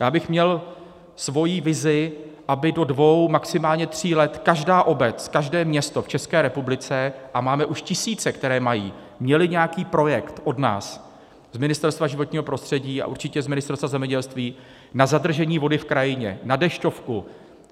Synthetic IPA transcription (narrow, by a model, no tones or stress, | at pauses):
jaːbɪxmɲɛl | svo̞jiːvɪzɪʔabɪdo̞dvo̞wmaksɪmaːlɲɛt̪r̝̥iːlɛt̪kaʒdaːʔo̞bɛt͡skaʒdɛːmɲɛst̪o̞ft͡ʃɛskɛːɾɛpublɪt͡sɛʔamaːmɛʔuʃcɪsiːt͡sɛkt̪ɛɾɛːmajḭː | mɲɛlɪɲɛakiːpɾo̞jɛkt̪ʔo̞dna̰ːs | z̥mɪnɪst̪ɛɾst̪vaʒɪvoɲiːɦo̞pɾo̞st̪r̝̥ɛɟiːa̰ʔuɾt͡ʃɪcɛzmɪnɪst̪ɛɾst̪vazɛmɲɛɟɛlst̪viː | nazad̪r̩ʒɛɲiːvo̞dɪfkɾajɪɲɛ̰nadɛʃco̞fku